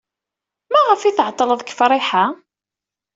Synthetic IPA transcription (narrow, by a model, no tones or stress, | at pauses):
mæʁəfiθəʕət̪ˤːələðˤkə̥fɾˤɪħa